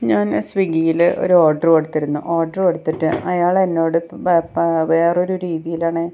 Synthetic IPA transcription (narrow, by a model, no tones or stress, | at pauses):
ɲaːnsʋiɡijilo̞̰ɾuoːɖɐreɽut̪ːiɾunːuʔoːrɖɐreɽut̪ːiʈːɨɐjaːɭenːo̞ːɽɨ | ʋe̞ːro̞ɾuɾiːðijilaːɳɨ